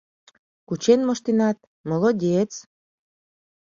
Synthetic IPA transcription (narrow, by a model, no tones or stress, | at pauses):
kut͡ɕenmoʃt̪enɑt̪̚ | molodʲet͡s